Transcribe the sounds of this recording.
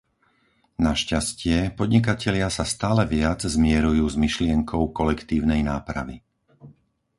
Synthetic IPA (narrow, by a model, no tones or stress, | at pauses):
naʃcascɪɛpɔd̪ɲik̬acɛlɪasast̪aːlɛʋɪad͡zzmɪɛɾujuːzmiʃlɪɛŋkʰɔʊkɔlɛkt̪iːʊnɛjnaːpɾa̰ʋḭ